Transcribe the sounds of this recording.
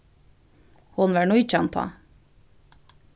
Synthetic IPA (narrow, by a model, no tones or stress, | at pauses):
hʊnʋæɳuːɪt͡ʃəɑnt̪ʰɑ̰ː